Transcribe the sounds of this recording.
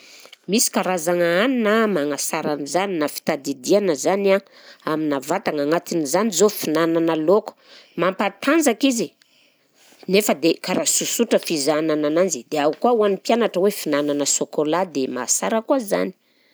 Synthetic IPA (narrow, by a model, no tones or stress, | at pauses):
misi̥kaɾazaŋaaninamaŋasaɾanizaninafi̥t̪ad̪id̪ianəzana | aminavat̪aŋaŋat̪inizanizofinananəloku̥mampat̪and͡zakizi | nefəd̪ekaɾasusuʈ͡ʂəfizananananzid̪eaukuauanipjanaʈ͡ʂəwefinananəsokolad̪ema̰saɾəkuaza̰ni̥